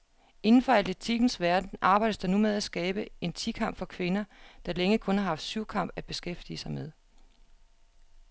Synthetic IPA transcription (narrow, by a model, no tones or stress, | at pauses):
e̝nn̩fɒ̽æl̰d̥et͡sʰiɡ̥n̩sʋæɐd̥n̩ʔɑ̈ːb̥ɑ̈ɪ̰d̥əsd̥ɑ̈numeðˠæsɡ̥ɛːb̥əe̝nt͡sʰikʰɑ̈m̰b̥fɒ̽kʰʋe̝nɐd̥ɑ̈leŋəkʰɔ̽nhɑ̈hɑ̈fd̥suʊ̰kʰɑ̈m̰b̥æb̥e̝sɡ̥efd̥ḭəsɑ̈ɪmeðˠ